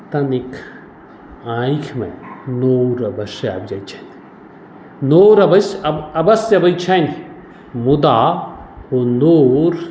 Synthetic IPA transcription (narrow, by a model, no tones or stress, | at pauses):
t̪ɐnikʰ | ãːjikʰmḛ̃noːwɾɐbɐʃa̰bd͡ʒat͡ʃʰɐn | noːɾɐbɐsɐɐbɐsɐbɐjt͡ʃʰɐjn | mud̪aːhonoːɾ